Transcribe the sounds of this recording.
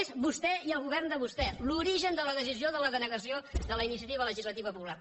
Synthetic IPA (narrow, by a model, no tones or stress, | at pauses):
ezβust̪ɛiəlˠɣuβɛrnd̪əβust̪ɛluɾiʒənd̪ələðəsizioðələɣənəɣəsioðələinisiət̪iβələʒizlət̪iβəpupular